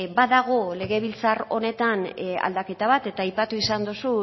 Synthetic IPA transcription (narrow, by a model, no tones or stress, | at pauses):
baðaɣ̞o̞le̞ɣe̞β̞ilt͡saro̞̰ne̞t̪ana̰ld̪ake̞t̪aβat̪e̞t̪aːjpat̪uisand̪usu